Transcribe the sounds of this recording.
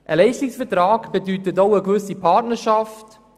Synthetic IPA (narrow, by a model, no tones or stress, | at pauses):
ʔəlɛɪʃtɪksfətɾaːɡb̥edytətoʊəkvʏsipʰatnəɾʃaft